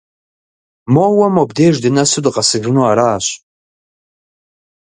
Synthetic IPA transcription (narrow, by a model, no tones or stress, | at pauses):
mowamobdeʒdɨnasɨdɨqʼasɨɡʲrnuaɾaːɕʷ